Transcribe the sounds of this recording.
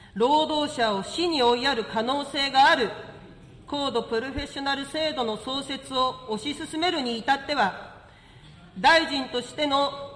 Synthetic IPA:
ɾo̞ːd̪o̞ːɕao̞ɕiɲ̟io̞iaɾɯ̟kano̞ːse̞ːɡaːɾɯ̟ | ko̞ːd̪o̞pɯ̟ɾo̞ɸe̞ɕo̞naɾɯ̟se̞ːd̪o̞no̞so̞ːse̞t͡sɨo̞ːɕisɨsɨme̞ɾɯ̟ɲ̟iːt̪at̪ːe̞βa | d̪aiʑĩnt̪o̞ɕi̥t̪e̞no̞

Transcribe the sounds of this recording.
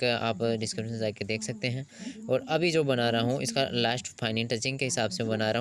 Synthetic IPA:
ka̰ːpɖɪskɾɪbʃənzaːked̪eːkʰsɐk̚t̪eɦɛ̃ːɔːɾɐbʱid͡ʒoːbɐnaːɾɐɦũʔɪ̰skalaːsʈfʰaːɪnɪ̃ŋʈɐt͡ʃɪ̃ŋɡkeɦɪsaːbsẽbɐnaɾɐɦ

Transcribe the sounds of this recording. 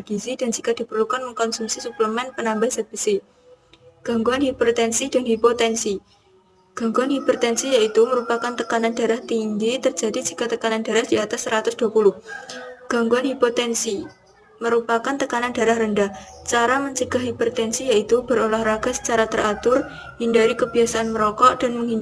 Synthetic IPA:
ɡ̥isidand͡ʒikad̥i̤pərlukanməŋkɔnsumsisupləmɛnpənambahsəb̥əsɪ | ɡ̥a̤ŋɡuanhipot̪ɛnsidanɦipot̪ɛnsi | ɡ̥a̤ŋɡuanɦiport̪ɛnsijait̪uməɾupakant̪əkanandaɾaht̪iŋd͡ʒit̪ərd͡ʒa̤did͡ʒikat̪əkanand̥a̤ɾahd̥iat̪asːəɾat̪ʊsd̥uapulʊhɡ̥a̤ŋɡuanɦipot̪ɛnsi | məɾupakant̪əkanand̥aɾahrəndaht͡ʃaɾaməɲt͡ʃəɡ̥a̤hɦiport̪ɛnsijait̪ub̥əɾolahraɡ̥a̤sə̥t͡ʃaɾat̪əɾat̪ʊr | hindaɾikəb̥i̤asaʔanməɾɔkɔʔd̥a̤nməŋin

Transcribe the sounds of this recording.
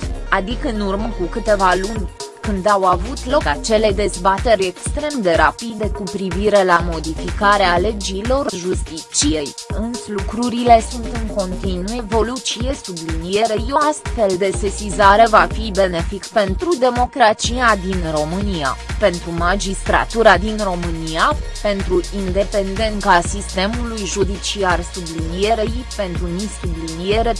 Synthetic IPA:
ad̪ikəɨnurməkukɨt̪e̞valunʲkɨnd̪awavut̪lo̞kat͡ʃe̞le̞d̪e̞zbat̪e̞ɾʲe̞kst̪ɾe̞md̪e̞ɾapid̪e̞kupɾiviɾe̞lamo̞d̪ifikaɾeale̞d͡ʒiːlo̞rʒust̪it͡ʃije̞jɨnslukɾuɾile̞sunt̪ɨŋko̞nt̪inuje̞vo̞lut̪sije̞sublinije̞ɾejo̞ast̪fe̞ld̪e̞sesizaɾe̞vafibe̞ne̞fikpe̞nt̪ɾud̪e̞mo̞kɾat͡ʃijad̪inro̞mɨnia̰pe̞nt̪ɾumad͡ʒist̪ɾa̰t̪uɾad̪inro̞mɨnijape̞nt̪ɾuʔind̪e̞pe̞nd̪e̞nk̪asist̪e̞mulujʒud̪it͡ʃiarsublinije̞ɾejpe̞nt̪ɾunisublinijeɾe̞

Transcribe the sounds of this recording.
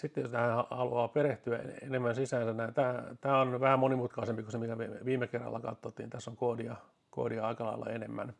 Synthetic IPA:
sit̪ːejost̪æhænhɑhɑluɑːpeɾeht̪yæḛḛnemːænsisæːnsænnæint̪æːt̪æːonʋæhæmmonimut̪kɑisempikosemikæʋeʋiːmːekerːɑ̰lːɑ̰kɑ̰t̪ːot̪ːinit̪æsːoŋkoːdiɑ | ko̰ːdiɑɑikɑlɑ̰ilːɑ̰enemːæ̰n

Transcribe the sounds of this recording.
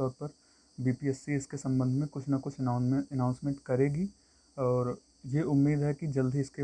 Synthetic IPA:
t̪ɔːɾpɐɾ | biːpiɛsːiɪskesɐ̃mbə̃nd̪ʱmẽkʊt͡ʃʰnɐkʊt͡ʃʰːənãʊ̃nsmẽːɳʈkɐɾeːɡi | ɔːɾ | jeʔʊmːiːd̪ɦɛkid͡ʒɐld̪ʱiɪske

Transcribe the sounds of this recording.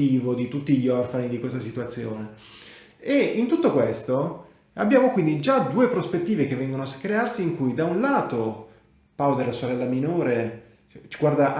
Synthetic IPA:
iːvod̪it̪ut̪ːiʎːiɔrfanid̪ikwest̪asit̪uat̪sːjoːne | eint̪ut̪ːokwest̪o | abːjaːmokwind̪id͡ʒad̪uːepɾospet̪ːiːvek̟evːɛŋɡonoaskːɾearsiːŋkujd̪aunlaːt̪o | paod̪elːasoɾɛlːaminoːɾe | t͡ʃiɡward̪aʔ

